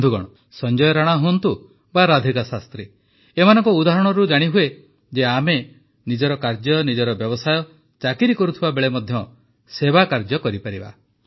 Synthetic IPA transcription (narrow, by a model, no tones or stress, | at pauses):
d̪ʱuɡɔ̰ɽɔ | sɔnd͡ʒɔjɔɾaɽ̃aɦunt̪u | baɾad̪ʱikasast̪ɾi | emanɔŋkɔud̪aɦɔɽ̃ɔɾud͡ʒaɽ̃iɦue | d͡ʒeame | nid͡ʒɔɾɔkaɾd͡ʒjɔnid͡ʒɔɾɔbjɔbɔsajɔ | t͡ʃakiɾikɔɾut̪ʰibabeɭemɔd̪ʱjɔ | sebakaɾd͡ʒɔkɔɾipaɾiba̰